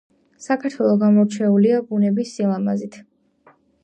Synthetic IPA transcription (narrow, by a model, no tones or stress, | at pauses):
sakʰaɾt̪ʰwɛlˠɔɡamɔɾt͡ʃʰɛuliabunɛbisːilˠamazit̪ʰ